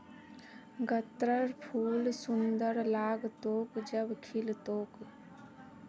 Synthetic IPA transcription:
ɡət̪ɾəɾpʰuːlsʊnd̪əɾlaːɡt̪oːkd͡ʒəbkʰilt̪oːk

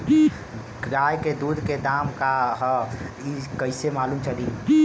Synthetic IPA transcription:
ɾajked̪ud̪ʱked̪amkaɦə | ikəɪsemaːlumt͡ʃʰəli

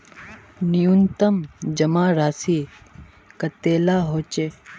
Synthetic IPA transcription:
nijunt̪ɐmd͡ʒɐmaːɾaːsi | kɐt̪eːlaːɦoːt͡ʃeː

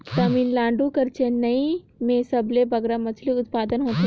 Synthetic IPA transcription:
t̪ɐminlãːɳɖukɐɾt͡ʃʰenɐĩ | mẽsɐblebɐɡɾamɐt͡ʃʰliʊt̪paːd̪ənɦoːt̪e

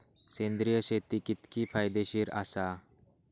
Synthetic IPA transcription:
sẽnd̪ɾijəɕet̪ikit̪kipʰajd̪eɕiːɾasa

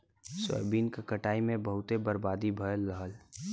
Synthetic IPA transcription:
swə̰ːbiːnkakəʈaːimẽbəɦʊt̪ebəɾbaːd̪ibʱəjəlːəɦəl

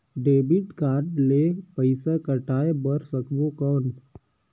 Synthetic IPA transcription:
ɖeːbɪʈkaːɾɖleːpəɪsakəʈaːebəɾsəkbokəːn

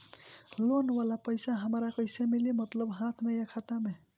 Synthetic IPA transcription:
lonʋalapəɪsaɦəmɾakəjsemilimət̪ləbɦãt̪ʰmejəkʰat̪ame

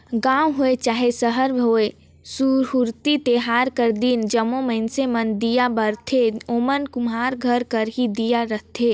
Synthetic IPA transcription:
ɡãːwɦoet͡ʃaːɦesəɦəɾbʱoe | suɾɦuɾt̪it̪eɦaːɾkəɾd̪iːnd͡ʒəmoməɪnsemənd̪ijabəɾt̪ʰeomənkumɦaːɾɡʱəɾkəɾɦid̪ijaɾəɦt̪ʰe

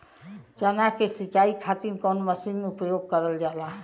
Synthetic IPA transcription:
t͡ʃənakesit͡ʃaikʰat̪imkənməsinmeupjoɡ̚kəɾəld͡ʒalaɦ

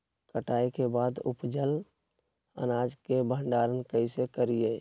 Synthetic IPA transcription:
kəʈaːikebaːd̪ṵpd͡ʒəl | ə̰naːd͡ʒkebʱə̃ɳɖaɾənkəɪsekəɾije

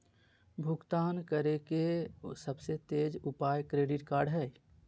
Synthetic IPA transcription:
bʱʊɡt̪aːnkəɾekesəbset̪eːd͡ʒʊpaːjkɾeːɖɪʈkaːɾɖɦɛː

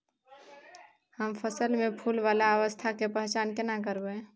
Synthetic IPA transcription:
həmpʰəsəlmepʰulʋalaəʋəst̪ʰakepəɦt͡ʃankenakəɾbe

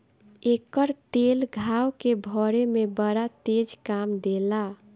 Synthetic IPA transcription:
ekəɾt̪elɡʱawkebʱɔɾemebəɾat̪ed͡ʒkamd̪ela

